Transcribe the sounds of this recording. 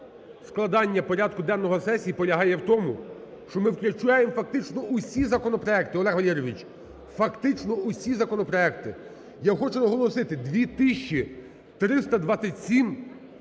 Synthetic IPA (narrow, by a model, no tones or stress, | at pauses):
sklˠɐd̪ɑnʲːɐpɔɾʲad̪kʊd̪ɛnːɔɦɔsɛsʲijːpɔlʲɐɦɑjɛwt̪ɔmʊ | ʃt͡ʃɔmɪwklʲʊt͡ʃajemfɐk̚t̪ɪt͡ʃnɔʊsʲizɐkɔnɔpɾɔɛkt̪ɪɔlˠɛɦʋɐlʲɛɾɔʋʲit͡ʃ | fɐkt̪ɪt͡ʃnɔʊsʲizɐkɔnɔpɾɔɛkt̪ɪ | jaxɔt͡ʃʊnɐɦɔlˠɔsɪt̪ɪd̪ʋʲit̪ɪʃʲt͡ʃi | t̪ɾɪst̪ɐd̪ʋɑsʲɐtʲsʲim